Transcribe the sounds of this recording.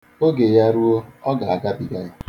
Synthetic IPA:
o˦ɡe˨ja˦ɾu˦o˦ɔ˦ɡa˨a˨ɡa˦bi˨ɡa˦ja˦

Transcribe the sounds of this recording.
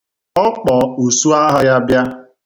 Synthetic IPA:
ɔ˦k͡pɔ˨u˨su˦a˦ɦa˦ja˦bja˦

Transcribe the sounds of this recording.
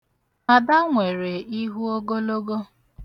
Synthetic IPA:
a˨da˦ŋʷe˨ɾe˨i˦ɦu˦o˦ɡo˦lo˦ɡo˦

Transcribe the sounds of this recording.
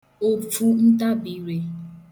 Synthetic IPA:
o˨fu˦n̩˦ta˦bi˨˦ɾe˨

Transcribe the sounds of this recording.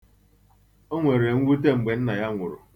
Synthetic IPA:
o˦ŋʷe˨ɾe˨ŋ̩˦ɡʷu˦t̬e˦ŋ͡m̩˨ɡ͡be˨n̩˦na˨ja˦ŋʷʊ˨ɾʊ̰˨

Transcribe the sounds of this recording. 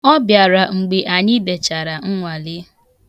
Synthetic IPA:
ɔ˦bja˨ɾa˨ŋ͡m̩˨ɡ͡be˨ʔa˨ɲɪ˦de˨t͡ʃa˨ɾa˨ŋ̩˦ŋʷa˨lɪ˦

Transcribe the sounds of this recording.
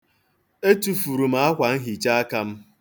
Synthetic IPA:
e˦tu˨fu˨ɾu˨ma˦a˦kʷa˨n̩˦ɦi˨t͡ʃa˦a˦ka˦m̩˦

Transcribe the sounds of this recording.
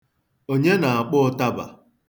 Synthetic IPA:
o˦ɲe˦na˨a˨k͡pʊ˦ta˦ba̰˨

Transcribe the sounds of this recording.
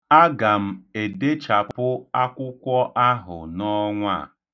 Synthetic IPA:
a˦ɡa˨m̩˦˨e˨de˦t͡ʃa˨pʊ˦a˦kʷʊ˦kʷɔ˦ʔa˦ɦʊ̰˨nɔ˦ŋʷa̰˦˨

